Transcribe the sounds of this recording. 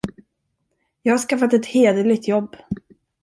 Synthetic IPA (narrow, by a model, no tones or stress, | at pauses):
jɑːɡhaʂkafat̪ɛt̪heːd̪əlɪɡ̚t̪jɔbː